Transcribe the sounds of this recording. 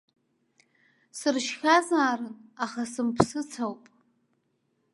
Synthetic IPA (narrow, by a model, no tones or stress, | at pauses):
sɨrʃxʲazaːɾɨnaχasɨmpʰsɨt͡sʰawpʼ